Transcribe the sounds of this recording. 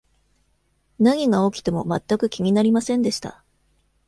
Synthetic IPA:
naŋ̟ʲiɡao̞kʲi̥t̪e̞mo̞mat̪ːakɯ̟kʲiŋ̟ʲinaɾʲimasẽ̞nd̪e̞ɕi̥t̪a̰

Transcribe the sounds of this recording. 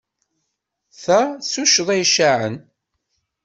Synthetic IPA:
θæsuʃðˤæjʃaʕə̰n

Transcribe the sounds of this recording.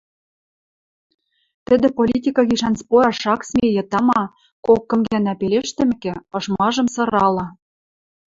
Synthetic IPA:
t̪ɘ̆d̪ɘ̆polʲit̪ʲikɑɣiʃɑnspojɑʃɑksmʲejɤ̆t̪ɑmɑ | kokːɤ̆mɡænæpeleʃt̪ɘ̆mɘ̆kĕɤ̆ʃmɑʒɤ̆msɤ̆ɾɑlɤ̆

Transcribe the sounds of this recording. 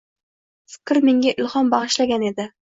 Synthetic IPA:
fɪ̥kʲɾme̞ŋʲaʔɪlχɒmbɑʁɨʃlaɡʲane̞d̪ɪ

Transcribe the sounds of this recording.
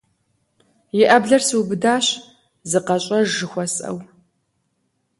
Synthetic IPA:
jɪʔɐbɮɐrsɨwbɨdaːɕ | zɨqɐɕʼɐʒɨxʷɔsʼɐ̰w

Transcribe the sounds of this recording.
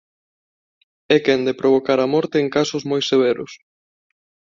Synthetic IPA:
ɛkend̪epɾoβ̞okaɾamɔɾt̪eːŋkasʊzmojseβ̞eɾʊ̰s

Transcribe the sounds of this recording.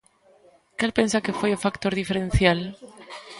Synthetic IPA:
kalpensakefejofakt̪oɾðifeɾen̟θjal

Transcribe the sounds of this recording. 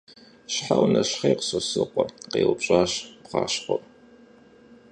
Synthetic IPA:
ɕħawnɐɕχejqəsɐsɨqʷɔqeːwɕʼaːɕpqɑ̰ːɕqʷɔpʼ

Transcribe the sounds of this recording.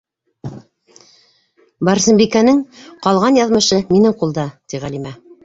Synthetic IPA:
bɑɾsɘ̆mbikænɘŋqɑlˠʁɑnjɑðmɤ̆ʃɤminɘŋqulˠd̪ɑt̪iʁælimæ

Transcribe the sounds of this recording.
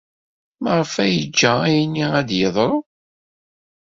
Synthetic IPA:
məʁˤfæjəd͡ʒːææjənːiæd̪jəðˤɾˤo

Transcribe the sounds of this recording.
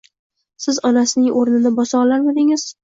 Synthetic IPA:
sɪzɒnasɪnɪŋʔoɾnɪnɪbɒsɒlaɾmad̪ɪŋɪz̥

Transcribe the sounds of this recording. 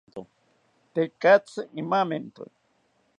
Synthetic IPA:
t̪o | t̪ekat͡sɨʔimament̪o̰j

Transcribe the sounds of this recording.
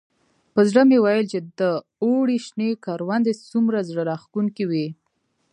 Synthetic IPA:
pəzɽəmewajəlt͡ʃed̪ə | oɽiʃnekɑɾwand̪et͡sumɾazɽəɾɑxkuŋkiwi

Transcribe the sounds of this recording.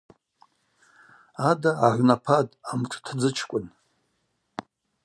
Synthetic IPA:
adaːʕʷnapʰadʼamtʰʷʼtʰad͡zɨt͡ʃʰkʷʼʊn

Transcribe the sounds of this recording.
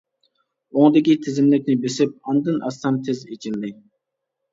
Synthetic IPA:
oŋd̪ɪkʲit̪ʰɪzɪmlɪk̚ʲnɪbesɪp̚ɑnd̪ɨnʔɑsɑmt̪ʰezet͡ʃʰilːɪ

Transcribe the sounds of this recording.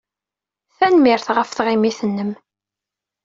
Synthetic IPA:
θænmɪɾθʁəfθʁimiθənːəm

